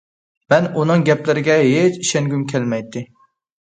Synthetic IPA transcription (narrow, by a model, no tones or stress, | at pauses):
mɛnunɨŋɡʲɛplɪɾɪɡʲɛɦet͡ʃiʃɛŋɡʲymkʲʰɛlmɛjt̪ʰːɪ